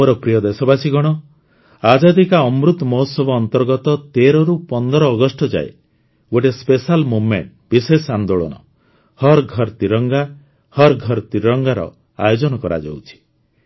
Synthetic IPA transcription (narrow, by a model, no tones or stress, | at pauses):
moɾɔpɾijɔd̪esɔbasiɡɔɽ̃ɔ | ad͡ʒad̪ikaɔmɾut̪mɔɦɔsɔbɔːnt̪ɔɾɡɔt̪ɔt̪eɾɔɾupɔnd̪ɔɾɔːɡɔsʈɔd͡ʒa̰ḛ | ɡoʈespesalmumḛɳʈbisesand̪oɭɔ̰nɔ̰ | hɔɾɡʱɔɾt̪iɾɔŋɡa | hɔɾɡʱɔɾt̪iɾɔŋɡaɾɔ̰ | a̰jod͡ʒɔnɔkɔɾa̰d͡ʒo̰wt͡ʃʰi̥